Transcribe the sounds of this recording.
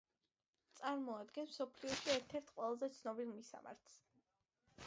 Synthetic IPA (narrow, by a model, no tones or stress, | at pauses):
t̪sʼaɾmɔad̪ɡɛnmsɔpʰliɔʃiɛɾt̪ʰɛɾt̪ʰqʼwɛlˠazɛt̪sʰnɔbilˠmisa̰ma̰ɾt̪ʰs